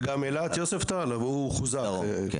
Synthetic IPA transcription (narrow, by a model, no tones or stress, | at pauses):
ɡamelat̪joseft̪alavuχuza